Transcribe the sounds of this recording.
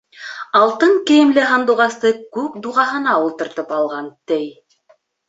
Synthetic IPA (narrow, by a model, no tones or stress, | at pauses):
ɑlˠt̪ɤŋkɘ̆jɘ̆mlɘɦɑnd̪uʁɑst̪ɤkʉkd̪uʁɑɦɤ̆nɑulˠt̪ɤ̆ɾt̪ɤpɑlˠʁɑnt̪ɘj